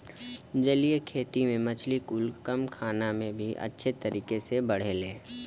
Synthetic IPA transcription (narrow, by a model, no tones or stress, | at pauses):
d͡ʒɐlijekʰeːt̪imẽmɐt͡ʃʰlikuːlkɐmkʰaːnamẽbʱiʔɐ̰tːʃʰet̪ɐɾiːkesebɐɽ̤elẽː